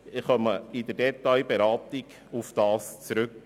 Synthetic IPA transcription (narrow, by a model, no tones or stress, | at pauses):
ɪχœməɪd̪ədɛt̪ɑjbeɾɑːt̪ɪɡ | ufd̥ɑːst͡sɾɵk